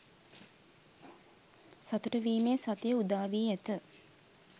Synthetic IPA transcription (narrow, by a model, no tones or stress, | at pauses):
sat̪uʈəʋiːmeːsat̪əjəud̪aːʋiːæt̪ə